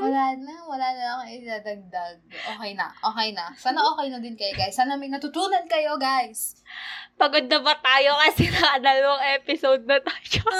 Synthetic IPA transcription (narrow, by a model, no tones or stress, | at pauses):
wɐlaːnɐwɐlaːnɐɐŋɪd̪ad̪ɐɡ̚d̪aɡ̚ʔoːkɛjnɐ̰ʔʔoːkɛjnɐsaːnɐʔoːkɛjnɐd̪ɪnkɐjoɡajsːaːnɐmɐjnɐt̪ʊt̪uːnɐnkɐjo̞ɡajs | pɐɡod̪ːɐbɐt̪aːjokɐsɪnɐɐd̪ɐloŋʔɛːpɪsod̪̚nɐt̪aːjo